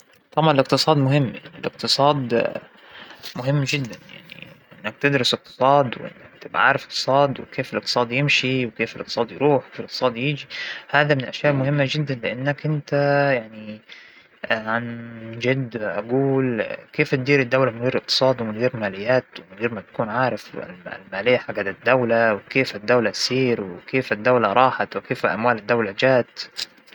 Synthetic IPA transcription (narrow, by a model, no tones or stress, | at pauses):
t̪ˤɑbʕɑnlɪq̚t̪ɨsˤɑːd̪mʊɦɪmːjaniɪlʔɪq̚t̪ɨsˤɑːd̪ | mʊɦɪmːʒɪd̪ːanja̰ʕnḭʔɪnːak̚t̪ɪd̪ɾʊsɪq̚t̪ɨ̥sˤɑːd̪wʔɪ̰nːakt̪ɪbʕa̰ːɾˤɑfɪ̥q̚t̪ɨ̥sˤɑːd̪wɪkʰeːfɪlʔɪq̚t̪ɨ̥sˤɑːd̪jɪmʃiwɪkeːfɪlʔɪq̚t̪sˤɑːd̪jɾuːħwkeːflʔɪqt̪sˤɑːd̪jiːd͡ʒihaːðamɪnɪlʔaʃjaːʔmʊhɪmːad͡ʒɪd̪ːanlɪʔanːakʔɪnt̪ajaʕni | ʕand͡ʒad̪ʔaɡuːlkeːft̪̚d̪iːɾɪd̪ːawlamɪnɣiːɾʔɪq̚t̪ɨ̥sˤɑːd̪wɪmɪnɣiːɾmaːlɪjːaːt̪wɪmɪnɣiːɾmat̪ḁkuːnʕaːɾˤɑfɪ̰lmaːlɪjːaħaɡːad̪ad̪ːawlawɪkeːfɪd̪ːawlat̪siːɾwɪkeːfɪd̪ːawlaɾˤɑːħat̪wɪkeːflʔamwaːlɪd̪ːawlad͡ʒaːt̪